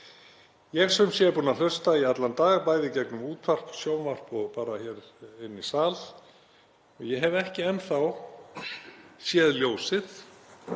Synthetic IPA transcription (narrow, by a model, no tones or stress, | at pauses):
jɛɣsɛmsjɛpuːnal̥œst̪aiat̪lant̪aːɣpaːjðɪcɛknʏmuːt̪pʰar̥ksjoːwnvar̥pɔɣpaːɾaçɛːɾɪnːisaːl | ɔɣjɛɦɛvɛhcɪɛnːθaw | sjɛːðljoːwsɪð